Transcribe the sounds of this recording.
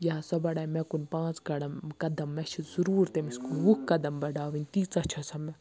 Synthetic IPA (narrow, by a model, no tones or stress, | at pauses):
jɐasɐbɐɽaːimɛkunpãːt͡skɐɽɐmkɐd̪ɐmːɛt͡ʃʰizuɾuːɾt̪emiskuʋukkɐd̪ɐmbɐɖaːʋinʲt̪iːt͡sɐt͡ʃʰɐsʰɐmɛ